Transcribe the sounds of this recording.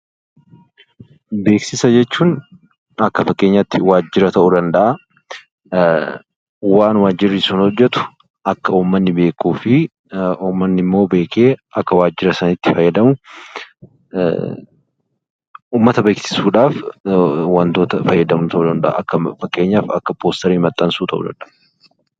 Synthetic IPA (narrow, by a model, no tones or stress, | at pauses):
be̞ːksɪsɐd͡ʒɛt͡ʃːuːn | ɐkːɐfɐkːe̞ːɲːɐt̪ːɪwaːd͡ʒːɪɾɐt̪ɐʔud̪ɐnd̪ɐʔɐ | waːnwaːd͡ʒːɪɾːɪsuːnhɔd͡ʒːɛt̪ʊ̥ | ʔɐkːɐuːmːɐnːɪbe̞ːkːuːfɪ | uːmːɐnːɪmːo̞ːbe̞ːke̞ːʔɐkːɐwaːd͡ʒːɪɾɐsɐnɪt̪ːɪfɐjːɐd̪ɐmʊ | uːmːɐt̪ɐbeːksɪ̥suːᶑaːf | wɐnt̪o̞ːt̪ɐfɐjːɐd̪ɐmt̪ɐʔud̪ɐnd̪ɐ̰ʔɐ̰ʔɐkːɐfɐkːe̞ːɲːaːfɐkːɐpoːst̪ɐɾiːmɐt̪ʼːɐnsuːt̪ɐʔṵd̪ɐ̰nᶑ̪ɐʔ